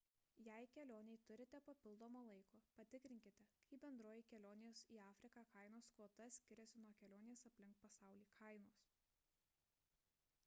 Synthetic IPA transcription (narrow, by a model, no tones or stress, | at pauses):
jɛˑɪkʲɛlʲoːnʲɛɪt̪ʊɾʲɪt̪ʲɛpɐpʲɪlˠd̪oːmoːlˠɐɪkoːpɐt̪ʲɪkɾʲɪŋʲkʲɪt̪ʲɛkɐɪbʲɛnd̪ɾoːjɪkʲɛlʲoːnʲɪjoːsiːɑːfʲɾʲɪkɑːkɐɪnoːskoːt̪ɐsʲkʲɪɾʲɛsʲɪnuɔkʲɛlʲoːnʲesɐpʲlʲɪŋˑkpɐsɑˑʊlʲiːkʰɐɪnoːs